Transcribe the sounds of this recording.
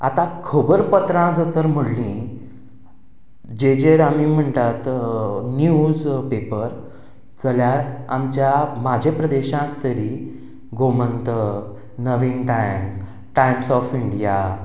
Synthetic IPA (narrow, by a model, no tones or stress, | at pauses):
at̪ãkʰəbəɾpət̪ɾãd͡zət̪əɾm̤əɽlĩ | d͡ʑed͡ʑeɾamim̤əɳt̪at̪njud͡zpepəɾ | t͡səljaɾamt͡ɕjamad͡ʑʱepɾəd̪eɕãk̚t̪əɾiː | ɡomənt̪ə | nəʋinʈajms | ʈajmsɔfiɳɖija